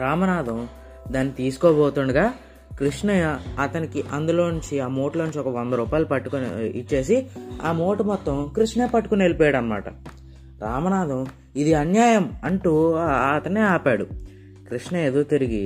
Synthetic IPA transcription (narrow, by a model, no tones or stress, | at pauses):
ɾaːmɐnaːd̪ʱɐm | d̪aːnːit̪iːsu̥kɔːbɔːt̪uɳɖuɡaː | kɾiʂɳɐɐɐt̪ɐnikiʔɐnd̪ulo̞ːuɲt͡ʃiaːmoːʈloːuɲt͡ʃiɔkɐʋɐnd̪ɐɾuːpaːjilupɐʈːuknḭḭt͡ʃːe̞ːsia̰ːmo̞ːʈumɔt̪ːɐmkɾiʂnɐe̞ːpɐʈːu̥kune̞lipɔːjaːɽɐnːɐma̰ːʈɐ̰ | ɾaːmɐnaːd̪ʱɐm | id̪iɐnjaːjɐmɐɳʈuɐt̪ɐnːeːaːpaːɽu | kɾiʂɳɐed̪uʋt̪iɾiɡḭ